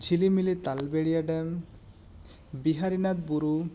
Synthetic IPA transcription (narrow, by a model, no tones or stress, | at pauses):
t͡ʃʰilimilit̪albeɽijaɖɛm | biɦaɾinat̪buɾu